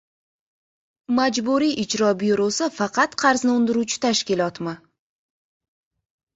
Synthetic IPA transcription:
mad͡ʒbuɾiʔɪd͡ʒɾɒbjuɾosɪfɑqʰɑt̪qʰɑɾznɪʊnd̪ɪɾut͡ʃʰɪ̥t̪ʰaʃkʲɪlˠɒt̪mɪ

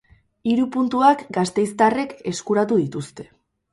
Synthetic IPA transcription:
iɾupunt̪uakɡast̪e̞jst̪are̞ke̞skuɾat̪̬uðit̪ust̪e̞̥

